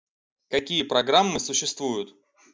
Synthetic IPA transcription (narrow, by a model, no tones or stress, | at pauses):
kɐkʲijəpɾɐɡɾamːɨsʊɕːɪst̪vujʊt̪